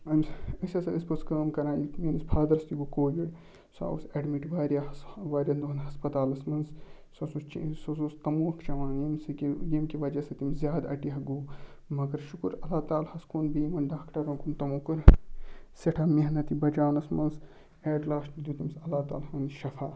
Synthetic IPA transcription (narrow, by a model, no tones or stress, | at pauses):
ɐmsəsʲɐsɐɨspɐskəːmkɐɾãːiminisbʰaːd̪ɾɐst̪iɡukoːjiɽ | sa̰ːṵsɐɖmiʈʋaːɾʲjaʋaːɾʲɐnd̪uɐnɦɐspɐt̪aːlɐsmɐnzsɐsust͡ʃḭsɐsuːst̪ɐmuːɐkʰt͡ʃɐʋãːjimsikijimkiʋɐd͡ʒɐsɐt̪imzjaːd̪ɐ̰ʈiɦɐɡuːmɐkɐɾʃukuɾɐlaːt̪aːlhɐskuːnbiːmɐnɖaːkʈɐɾɐnkunt̪ɐmuːkɨɾ | siʈʰaːmiɦɐnɐt̪ibɐd͡ʒaːnɐsmɐns | eːɖlaːsʈid̪ʲjuːt̪ɐmsɐlaːt̪a̰ːlhɐːniʃɐfaː